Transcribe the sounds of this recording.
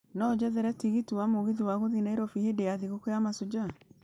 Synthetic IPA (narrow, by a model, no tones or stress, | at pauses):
nɔd͡ʑɛðɛɾɛtiɣitiwamoɣiðiwaɣoðinaeɾɔfihedeaðiɣokɔjamasod͡ʒa